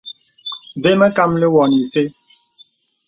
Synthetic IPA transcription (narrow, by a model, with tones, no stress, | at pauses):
be˦mɛ˦ka˦mle˦wɔ˨ni˨se˦